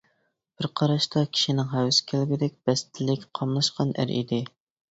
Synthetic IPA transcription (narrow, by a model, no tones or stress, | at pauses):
b̥ɪɾqʰɑɾɑʃt̪ʰɑkʲʰi̥ʃinɪŋɦɛwsɪ̥kʲʰælɡʲɪd̪ɛk̚ʲb̥ɛst̪ʰɪlɪkʲqʰɑmlˠɑʃqɑnʔæ̰ɾḭd̪ɪ